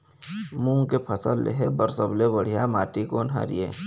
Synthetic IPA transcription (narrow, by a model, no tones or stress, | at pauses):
mũːŋkepʰɐsəlːḛɦebəɾsəblebəɽ̤ijamaːʈikoːnɦa̰ɾḭjḛː